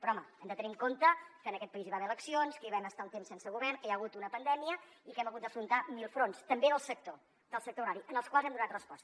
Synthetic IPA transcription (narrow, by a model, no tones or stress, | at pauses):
pɾɔɔməɛmd̪ət̪əniŋkont̪əkənəkɛt̪̚pəiziβaβɛələksionskəiβɛməst̪alˠt̪emsensəɣuβɛrnkəjaəɣut̪unəpənd̪ɛmiə | ikɛməɣut̪d̪əfɾunt̪amilˠfɾonst̪əmbeðəlˠsək̚t̪o | d̪əlˠsək̚t̪ouɾaɾiʔənəlˠskwalˠzɛmd̪unat̪rəspɔst̪ə